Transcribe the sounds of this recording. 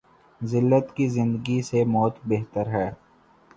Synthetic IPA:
zɪlːət̪kizɪ̃nd̪əɡisemɔːt̪beɦt̪əɾɦɛː

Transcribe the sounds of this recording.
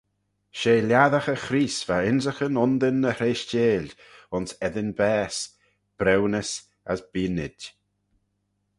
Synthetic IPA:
ʃeːlʲjaðaxəxɾiːsv̥aɪnzəxənɔnd̪ənːəhɾeːʃt͡ʃeːlʲ | ʊnsɛðɪnbɛːs | b̥ɾɛwnəs | a̰sbiːnɪd

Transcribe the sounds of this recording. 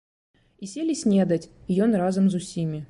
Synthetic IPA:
isʲelʲɪsʲnʲed̪ətʲɪjonrazɨmzʊsʲimʲɪ

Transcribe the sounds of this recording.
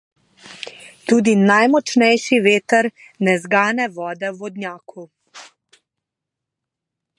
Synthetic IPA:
t̪uːd̪inajmɔt͡ʃnɛjʃiʋeːt̪əɾ | nɛzɡaːnɛʋɔːd̪ɛʋɔd̪nʲjaːkʰu

